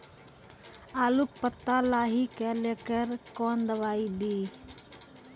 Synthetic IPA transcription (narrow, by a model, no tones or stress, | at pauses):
aːlukpət̪ːalaːɦiːkɛleːkəɾkoːnd̪əʋaːiːd̪iː